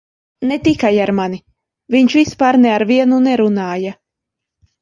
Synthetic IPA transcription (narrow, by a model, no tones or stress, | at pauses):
net̪ikajaɾmani | viɲʃvispaːɾnɛaɾvʲiɛnunɛɾunaːja